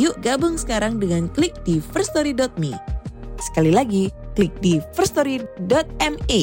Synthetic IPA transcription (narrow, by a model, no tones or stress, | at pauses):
jʊʔɡabʊŋsə̥kaɾaŋdəŋanklɪk̚difərst̪ɔɾidɔt̪̚mḭsə̥kalilaɡiklɪk̚difərst̪ɔɾidɔt̪̚ɛme